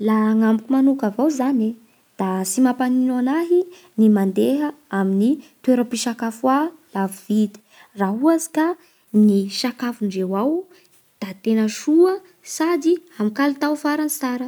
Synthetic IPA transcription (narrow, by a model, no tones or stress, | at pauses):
laŋambukumanukavawzane | d̪̥asimapaninanaɦi | nimand̪eɦəaminit̪ueɾəpiʃakafwalavivid̪i̥ | raɦuazi̥ka | niʃakafuɳɖ͡ʐewaw | d̪̥at̪enəʂuə | sad̪iamikalit̪awfaɾanit͡saɾə